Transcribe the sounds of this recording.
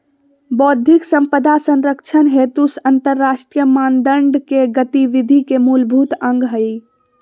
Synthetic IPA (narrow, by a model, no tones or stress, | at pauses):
bɔd̪ʱiksə̃mpəd̪ʱasə̃nɾəkt͡ʃʰənɦet̪usənt̪əɾːaʃʈɾijəmand̪əɳɖkeɡət̪iʋid̪ʱikemulbʱut̪ə̃ŋɡɦəj